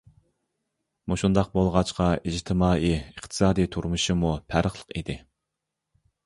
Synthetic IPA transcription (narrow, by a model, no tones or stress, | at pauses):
muʃund̪ɑq̚bolˠʁɑt͡ʃqɑid͡ʒt̪ʰɪmɑːiəχt̪ʰɨ̥sɑːd̪ijt̪ʰuɾmuʃɨmupʰæɾəχlˠəqid̪ɪ